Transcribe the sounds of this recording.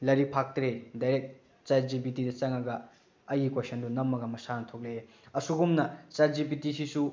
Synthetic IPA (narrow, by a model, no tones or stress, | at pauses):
lɐɾipʰak̚tɾedajɾek̚ | t͡ʃaɾzibitidɐt͡ʃɐŋɐɡɐː | jikwesɐndunɐmːɐɡɐmɐsanɐtʰok̚le | ɐsuɡumnɐt͡ʃaɾzibitisisu